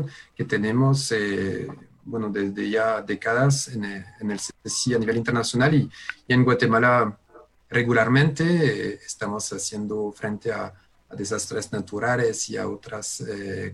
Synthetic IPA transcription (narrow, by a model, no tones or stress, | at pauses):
nket̪enemose | bwenoðezðeʝad̪ekaðasenːnelseesianiβelint̪eɾnasjonaliienɡwat̪emala | reɣulaɾmẽnt̪eːst̪amosasjend̪ofɾʔent̪eaː | ðes̬ast̪ɾesnat̪uɾalesia̰ot̪ɾase